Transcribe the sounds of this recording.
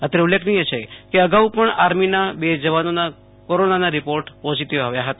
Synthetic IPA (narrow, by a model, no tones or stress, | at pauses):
ət̪əɾeulːekʰnijet͡ʃʰekeəɡaupəɳaɾminabed͡ʒəʋanona | koɾonanaɾipoɾʈpɔziʈiʋaʋjaɦət̪a